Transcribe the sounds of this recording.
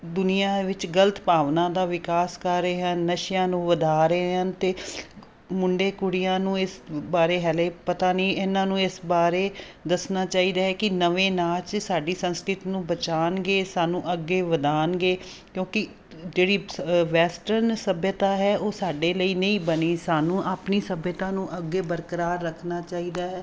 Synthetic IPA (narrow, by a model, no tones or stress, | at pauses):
d̪ʊnijãːʋɪt͡ʃɡələt̪paːʋnãːd̪aːʋɪkaːskəɾːeːɦənːəʃɪjãːnũːʋəd̪aːɾəeɦənt̪eː | mʊɳɖeːkʊɽɪjãːnũːɪsbaːɾeːɦɛːleːpət̪aːnĩːɪnãːnũːɪsbaːɾeː | d̪əsnaːt͡ʃaːiːd̪aːɦɛːkɪnəʋẽːnaːt͡ʃsaːɖiːsə̃nskɾɪt̪ːnũːbət͡ʃaːnɡeːsaːnũːʔəɡːeːʋəd̪aːnɡeː | kjõːkɪ | d͡ʒeːɽiːʋɛːsʈəɾnsəbjət̪aːɦɛːʔoːsaːɖeːləiːnəĩːbəniːsaːnũːʔaːpniːsəbjət̪ãːnũːʔəɡːeːbəɾkəɾaːɾːəkʰnaːt͡ʃaːiːd̪aːɦɛː